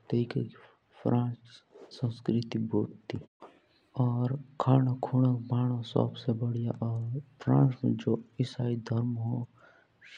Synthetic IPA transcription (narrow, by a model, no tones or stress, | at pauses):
t̪ikʰḛk | pʰɾʔãːt͡ʃsə̃nskɾɪt̪iboːtt̪ːi | ɔːɾkʰaːnakʰuːɽəkbaːɽ̃õsə̰bsebəɽijaʔɔːɾpʰɾã̰ːsd͡ʒoːɪsaːid̪ʱəɾmɦo